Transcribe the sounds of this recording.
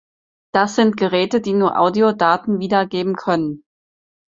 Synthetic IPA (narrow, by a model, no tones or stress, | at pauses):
d̥asz̥ɪntɡ̥əʁɛːtədiːnuːɐʔa̰ʊdiodaːtn̩viːdɐɡeːbm̩kʰœnən